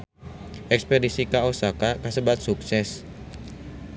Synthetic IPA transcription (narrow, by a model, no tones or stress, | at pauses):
ʔɛkspedisikaosakakasəbat̪̚suksɛs